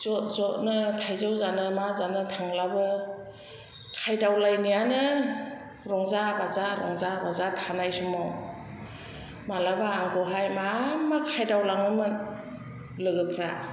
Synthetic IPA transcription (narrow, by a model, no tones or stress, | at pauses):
zɔtzɔnɯtʰajzawzanɯmazanɯtʰaŋlabɯ | kʰajdawlajnijanɯ | ɾɔŋzabazaɾɔ̰ŋzabazatʰanajsumɔ | malabaːŋɡʰɔɦajmamakʰajdawlaŋɯmɯn | lɯɡɯpʰɾa